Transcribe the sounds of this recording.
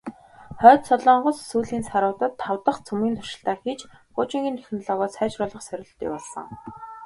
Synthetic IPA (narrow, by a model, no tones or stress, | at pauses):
χœːt̪sɔɮɔːɴɢʊ̆ssuːɮiːnsaɾʊːt̪ə̆t̪ʰːawt̪ə̆χt͡sʰɵmiːnt̪ʰʊʃɪ̆ɬt̪aːxiːt͡ɕɢʊːt͡ɕɪ̆ŋɡʲiːnt̪ʰe̥xʲn̆ɮɔːɣɔːsæːt͡ɕrʊːɮə̆χsœɾʲɪ̆ɬt̪ḭjpɔɮsə̰̆ŋ